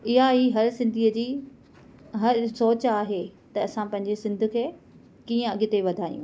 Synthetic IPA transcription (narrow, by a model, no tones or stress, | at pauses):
ɪɦaiːɦɐɾsɪ̃nd̪ʱiːəd͡ʑiː | ɦɐɾsoːt͡ɕaːɦet̪ɐɐsãpɐ̃ɦɪ̃ɲ̆d͡ʑesɪ̃nd̪ʱʊkʰeː | kiːə̃ɐɠɪt̪eʋɐd̪ʱaːjṵ̃